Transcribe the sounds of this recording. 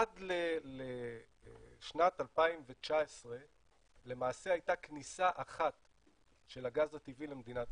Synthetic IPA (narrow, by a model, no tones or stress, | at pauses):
adlele | ʃnatalpaimvet͡ʃaesʁe̞ | le̞maːse̞hajtaknisaʔaχat | ʃe̞laɡazat̪ivilemed̪inat